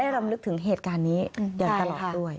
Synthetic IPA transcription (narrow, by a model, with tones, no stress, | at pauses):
a˥˩jɾa˧mlɯ˦˥k̚t̪ʰɯ˩˦ŋɦeː˨˩t̪̚kaː˧nːiː˦˥ja˨˩t̪a˧lɔː˨˩t̪̚du˥˩əj